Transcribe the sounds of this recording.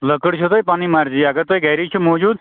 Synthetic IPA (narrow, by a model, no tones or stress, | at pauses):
ləkəɽt͡ʃʰut̪ojpaːnimaɾd͡ʒiːəɡəɾt̪ojiɡʱəjɾit͡ʃʰumɔːd͡ʒuːd̪